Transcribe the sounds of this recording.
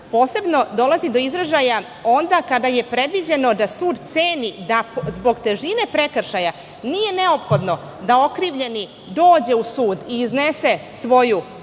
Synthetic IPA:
po̞ːse̞bno̞d̪o̞lazid̪o̞izɾeʒaja | o̞nd̪akad̪aje̞pɾe̞d̪ʋid͡ʑe̞no̞d̪asuːd̪t̪seːnid̪azbo̞ɡt̪e̞ʒine̞pɾe̞kr̩ʃaja | nije̞ne̞o̞pxo̞d̪no̞ | d̪ao̞kɾiːʋʎe̞ni | d̪o̞ːd͡ʑe̞usuːd̪iːzne̞se̞sʋo̞ju

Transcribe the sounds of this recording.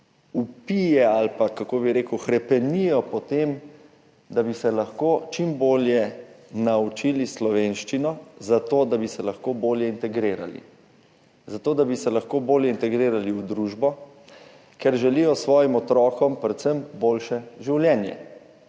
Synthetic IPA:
upijɛalpakakoːbiɾeːkwxɾɛpɛnijɔpɔt̪em | d̪abisɛlaxkoːt͡ʃimboːljɛnaut͡ʃiːlislɔʋenʃt͡ʃinɔzat̪oːd̪abisɛlaxkoːboːljɛint̪ɛɡɾeːɾa̰lḭ | zat̪oːd̪abisɛlaxkoːboːljɛint̪ɛɡɾeːɾaliud̪ɾuʒbɔ | kɛɾʒɛlijɔsʋɔːjimɔt̪ɾɔːkɔmpɾɛt̪səmboːlʃɛʒiwljɛnjɛ̰

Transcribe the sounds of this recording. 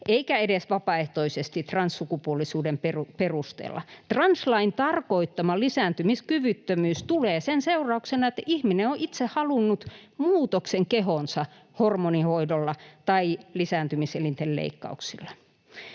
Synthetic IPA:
ʔeikæedesʋɑpɑeht̪oisest̪it̪rɑnsːukupuolːˑisuːdemperuperust̪ḛːlːɑ̰t̪rɑnslɑint̪ɑrkoit̪ːɑmɑlisæːnt̪ymiskyʋyt̪ːømyːst̪uleːsenseurɑuksenɑet̪ːæʔihmineoʔit̪sehhɑlunːut̪muːt̪okseŋkeɦonsɑ | hormonihoidolːɑt̪ɑilisæːnt̪ymiselint̪ellḛikːɑ̰uksilːɑ

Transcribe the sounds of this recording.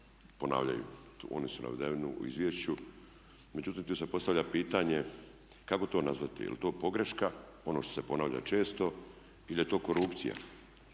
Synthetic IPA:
po̞na̰ːʋʎa̰jṵo̞̰nisuna̰ʋd̪eʋnuṵḭzʋjeʃt͡ɕu | me̞d͡ʑut̪iːmt̪uːsepo̞st̪aʋʎʲapiːt̪aɲe̞ | kako̞t̪o̞ːnazʋat̪ḭjḛlit̪o̞ːpo̞ɡɾe̞ʃka | o̞no̞ːʃt̪ose̞po̞naːʋʎa̰t͡ʃe̞ːst̪o̞ | ilijet̪o̞ːko̞ɾupt̪sḭja̰

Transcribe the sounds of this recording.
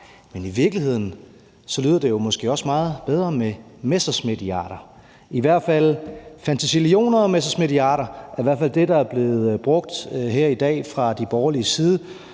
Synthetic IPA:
meniʋiɐɡ̥liɦe̝ð̞̰ˠn̩ | sɒ̽lyːð̰ˠɐd̥e̝jo̝mɒsɡ̥e̝ːɒ̽smɑ̈ːð̞̩ˠb̥eð̞ˠʁɐmemesd̥ɐsmed̥iɑ̰̈ːɾ̥ɐ | iʋæɐ̰d̥fæl̰fænt͡sʰisilio̝̰ːnɐɒmesd̥ɐsme̝d̥iɑ̰̈ːɾɐæɐiʋæɐdfæl̰d̥e̝d̥ɑ̈æɐb̥le̝ːð̩ˠb̥ʁɔ̽ɡ̥̚d̥ɦeɐ̰id̥ɛ̰ːfʁɑ̈d̥ib̥ɒːɐliəsiːð̞ˠə

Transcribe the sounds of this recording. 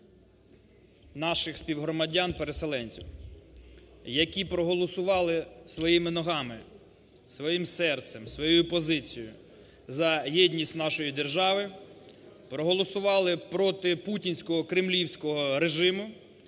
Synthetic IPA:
nɑʃɪxsʲpʲiwɦɾɔmɐdʲanpeɾeselˠɛnʲt͡sʲiw | jɐkʲipɾɔɦɔlˠɔsʊʋɑlˠɪsʋɔjimɪnɔɦɑmɪ | sʋɔjimsɛrt̪sɛmsʋɔjujupɔzɪt͡sʲijʊ | zɐjɛdʲnʲisʲtʲnɑʃɔjid̪erʒɑʋɪ | pɾɔɦɔlˠɔsʊʋɑlˠɪpɾɔt̪ɪputʲinʲsʲkɔɦɔkɾɪmlʲiwsʲkɔɦɔɾeʒɪmʊ

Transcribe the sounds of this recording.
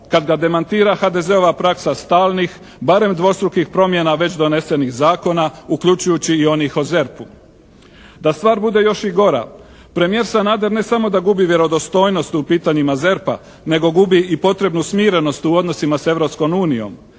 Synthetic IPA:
kad̪ɡad̪e̞mant̪iːɾaxad̪e̞ze̞o̞ʋapɾaksast̪aːlˠnix | baɾe̞md̪ʋo̞st̪ɾukixpɾo̞mje̞naʋe̞t͡ɕd̪o̞ne̞se̞nixzaːko̞naukʎut͡ɕujut͡ɕiːo̞nixoze̞ɾpu | d̪ast̪ʋaːɾbud̪e̞jo̞ʃiɡo̞ɾa̰ | pɾe̞mije̞ɾsanad̪e̞ɾne̞samo̞d̪aɡubiʋje̞ɾo̞d̪o̞st̪o̞ːjno̞st̪upiːt̪aɲimaze̞ɾpa̰ | ne̞ɡo̞ɡubiipo̞t̪ɾe̞bnusmiːɾe̞no̞st̪uo̞d̪no̞simase̞ʋɾo̞psko̞muːnijo̞̰m

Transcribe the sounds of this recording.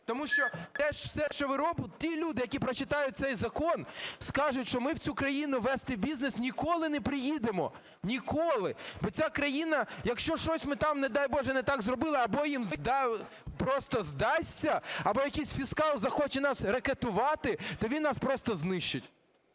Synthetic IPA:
t̪ɔmuʃt͡ʃɔt̪ɛʃwsɛʃt͡ʃɔʋɪɾɔbtʲilʲud̪ɪjɐkʲipɾɔt͡ʃɪt̪ɑjʊt̪̚ʲsɛjzɐkɔnskɑʒʊtʲʃt͡ʃɔmɪwt͡sʲukɾɐjinʊʋɛst̪ɪbʲiznesnʲikɔlˠɪnɛpɾɪjid̪emɔ̰ | nʲikɔlˠɪbɔt͡sʲakɾɐjinɐjɐkʃt͡ʃɔʃt͡ʃɔsʲmɪt̪ɑmned̪ɑjbɔʒɛnɛt̪ɑɡzɾɔbɪlˠɪɐbɔjimzd̪ɑ | pɾɔst̪ɐzd̪ɑsʲt͡sʲːɐɐbɔjɐkʲisʲfʲiskɑlˠzɐxɔt͡ʃɛnɑsɾeket̪ʊʋɑt̪ɪt̪ɔʋʲinːɑspɾɔst̪ɐznɪʃt͡ʃɪtʲ

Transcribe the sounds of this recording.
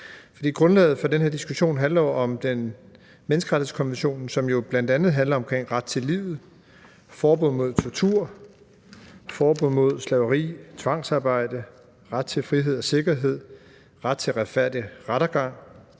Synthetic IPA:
fɒ̽d̥ḭːɡ̥ʁɔ̽nlɛ̰ːð̞̩ˠfɒ̽d̥enɦe̝ɐ̰d̥isɡ̥uɕo̝̰ːnɦænlɐjo̝ʔɒ̽md̥en | menəsɡ̥ɐʁɑ̥ihðˠskʰɒ̽nʋenɕo̝̰ːnsɒ̽mjo̝b̥læn̰d̥ænð̩ˠɦænlɐɒ̽mkʰʁeŋ̰ʁɑ̈d̥̚t͡sʰe̝liːʊð̩ˠ | fɒːb̥ɔð̰ˠmo̝ð̞̰ˠt͡sʰɒt͡sʰuɐ̰ | fɒːb̥ɔn̰mo̝ð̞̰ˠslɛʊəʁḭːt͡sʰʋɑ̈ŋ̰sɑ̈ːb̥ɑ̈ɪ̰d̥ə | ʁad̥̚t͡sʰe̝lfʁiɦe̝ð̞̰ˠɒ̽se̝ɡ̥ɐɦe̝ð̞̰ˠ | ʁad̥̚t͡sʰe̝lʁɑ̈d̥fæɐ̰d̥iʁaɾ̥ɐɡ̥ɑ̈ŋ̰

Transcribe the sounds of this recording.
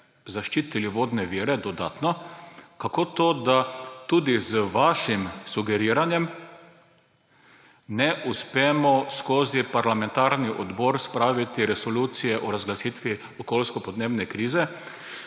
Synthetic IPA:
zaʃt͡ʃiːt̪iliʋoːd̪nɛʋiːɾɛd̪ɔd̪a̰ːt̪nɔkakoːt̪oːd̪at̪ud̪izʋaːʃimsuɡɛɾiːɾanjɛm | nɛʔuspɛːmɔskoːzipaɾlamɛ̃nt̪aɾniʔɔd̪bɔːɾspɾaːʋit̪iɾɛsɔluːt̪sijɛʔɔɾazɡlasiːt̪ʋi | ɔkoːlskɔpɔd̪neːbnɛkɾiːzɛ

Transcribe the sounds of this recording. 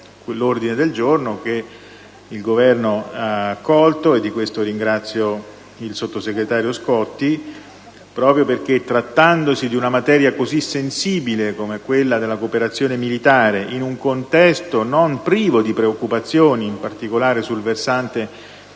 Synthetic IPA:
klord̪ined̪eld͡ʒornoke | ilɡovɛrnoaːkːɔlt̪oed̪ːikwest̪oɾiŋɡɾat̪sːjo | ilsot̪ːoseɡɾet̪aːɾjoskɔt̪ːi | pɾɔːpɾjoperk̟et̪ːɾat̪ːand̪osid̪iunamat̪ɛːɾjakozisensiːbilekomekwelːad̪elːakoːpeɾat̪sːjoːnemilit̪aːɾeʔinuŋkont̪ɛst̪onompɾiːvod̪ipɾeokːupat̪sːjoːniːmpart̪ikolaːɾesulversant̪e

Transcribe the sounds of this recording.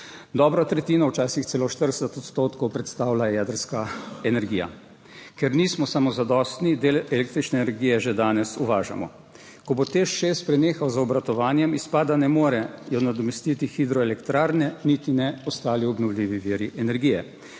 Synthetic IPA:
d̪ɔːbɾat̪ɾɛt̪iːnawt͡ʃaːsixsɛloʃt̪əɾd̪əsɛt̪ɔt̪st̪oːt̪kɔwpɾɛt̪st̪aːwlajɛd̪əɾskaɛnɛɾɡiːja̰ | kɛɾniːsmɔsamɔzad̪ɔst̪nid̪elɛlek̚t̪ɾit͡ʃnɛːnɛɾɡiːjɛʒed̪aːnɛsuʋaːʒa̰mɔ̰ | kɔbot̪eʃʃespɾɛneːxawzaɔbɾat̪ɔʋaːnjɛmispaːd̪anɛmoːɾɛjɔnad̪ɔmɛst̪iːt̪ixid̪ɾɔɛlɛkt̪ɾaːɾnɛnit̪inɛɔst̪aːliɔbnɔwlʲiːʋiʋiːɾiʔɛnɛɾɡijɛ

